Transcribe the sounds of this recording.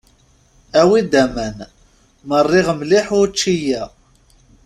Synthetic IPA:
æwid̪æmæn | mərˤːɪʁmliħʊɾt͡ʃːijæ

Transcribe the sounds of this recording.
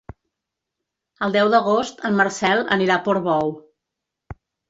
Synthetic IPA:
əlˠd̪ɛwðəɣ̞ost̪əmmːəɾsɛlˠə̰niɾapɔɾβɔw

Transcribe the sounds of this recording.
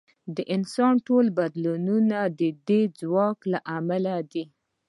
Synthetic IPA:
d̪əʔɪnsɑnʈolbad̪lununad̪əd̪ed͡zwɑklaʔamalad̪i

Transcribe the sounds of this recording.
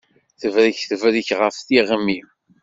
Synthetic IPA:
θəvɾiçθəvɾiçʁəfθiʁəmːim

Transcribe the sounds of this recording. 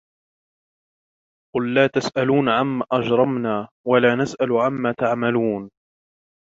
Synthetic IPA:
qʊlːaːt̪asʔaluːnʕamːaːʔɑd͡ʒɾˤɑmnaː | walaːnasʔalʕamːaːt̪aʕmaluːn

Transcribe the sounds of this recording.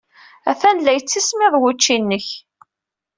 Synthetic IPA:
æfænlæjət͡sːismɪðˤwut͡ʃːinːəç

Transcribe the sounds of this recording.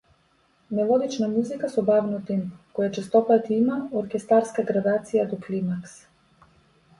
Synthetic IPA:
nɛvˠɔɡ̪it͡ʃnamuzikasɔbavnɔt̪imkɔjat͡ʃɛst̪ɔpat̪imaɔɾkʲɛst̪aɾskaɡɾad̪at̪sijad̪ɔklimaks

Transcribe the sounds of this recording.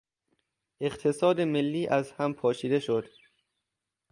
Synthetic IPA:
ʔe̞qt̪ʰe̞sɒːd̪emelːiːʔæzhæmpʰɒːʃiːd̪e̞ʃod̪̥

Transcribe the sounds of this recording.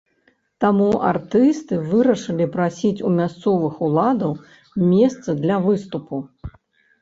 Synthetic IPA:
t̪amua̰rt̪ɨst̪ɨvɨɾɐʂɨlʲipɾasʲit͡sʲumʲast̪sɔvɨxulˠad̪ɐw | mʲɛst̪sɨd̪lʲɐvɨst̪upu

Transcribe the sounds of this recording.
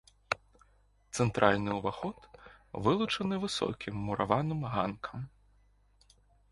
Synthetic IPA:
t̪sɛnt̪ɾʔalʲnɨʊʋaxɔt̪ʋɨlˠut͡ʂɐnɨʋɨsɔ̰kʲʰimːʊɾaʋɑnɨmɦankʰɐm

